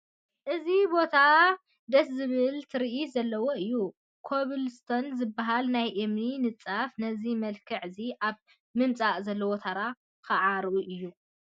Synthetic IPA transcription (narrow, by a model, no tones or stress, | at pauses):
ʔɨzibo̞t̪ʰa | d̪ɐszɨβɨlt̪ʰɨɾiʔizɐlːɐwo̞ɨjːu | kʰoβɨlst̪ʰonzɨbːaɦalnajʔemninɨt͡sʼafnɐzimɐlkʰɨʕɨziʔaβ | mɨmt͡sʼaʔzɐlːɐwot̪ʰaɾa | kɨʕaɾʔuʔɨjːu